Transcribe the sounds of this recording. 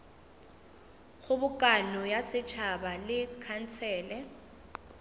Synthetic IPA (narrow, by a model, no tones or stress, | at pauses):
ɣʊbʊkʼanɔjasɪt͡ʃʰabalɪkʰan̩t͡sʰɛːlɛ